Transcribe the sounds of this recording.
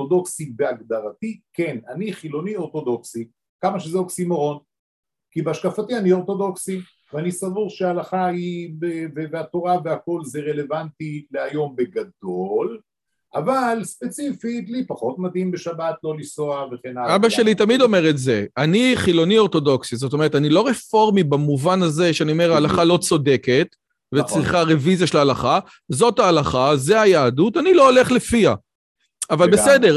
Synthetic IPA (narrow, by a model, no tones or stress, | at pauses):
odo̞ksibeaɡd̪aʁatikenaniχilo̞nio̞ʁt̪o̞d̪o̞ksi | kamaʃezeoksimoʁo̞n | kibeaʃkafatianio̞ʁt̪o̞do̞ksi | veanisavuʁʃeaalaχaibeveveat̪o̞ʁaveako̞lzeʁe̞le̞vantileajo̞mbe̞ɡado̞l | ʔavalspe̞t͡sifitlipaχo̞tmadhimbeʃabat̪lo̞lisoaveχenalabaʃelit̪amido̞me̞ʁetzeaniχilo̞nio̞ʁto̞do̞ksizot̪̬omeetanilo̞ʁefo̞ʁmibamuvanaze̞ʃeanio̞me̞ʁaːlaχalo̞t͡so̞de̞ket̪ | vet͡sʁiχaʁe̞vizaʃelalaχa | zo̞taːlaχaze̞ajaːdutanilo̞ole̞χle̞fia | avalbesede̞ʁ